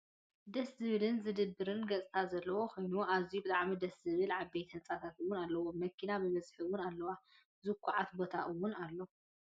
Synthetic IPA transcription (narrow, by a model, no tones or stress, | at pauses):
d̪ɐszɨβɨlɨnzɨd̪ɨbːɨɾɨnɡɐt͡sʼt̪ʰazɐlːɐwo̞kʰo̞jnuʔazijubɨt̪ʼaʕmid̪ɐszɨβɨlʕabːejt̪ʰhɐnt͡sʼat̪ʰat̪ɨwːʊnalːɐwoːɐkʰːinabɨmɐzħɨβʊnalːɐwa | zɨkʰʷːuʕat̪bot̪ʰaʔɨwʊnalːo